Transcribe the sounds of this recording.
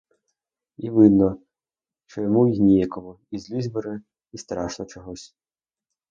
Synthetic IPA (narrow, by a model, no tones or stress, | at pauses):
iʋɪd̪nɔ | t͡ʃɔjɔmujnʲijɛkɔmʊ | izʲlʲizʲbeɾɪ | ist̪ɾɑʃnɔt͡ʃɔɦɔsʲ